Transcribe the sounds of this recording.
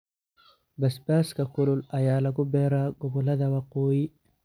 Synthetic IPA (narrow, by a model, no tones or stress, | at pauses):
bɐsbaːskɐkʰʊlʊlɐjaːlɐɣʊbɛːɾaːɡɔβɔlɐðɐwɑqɔːjɪ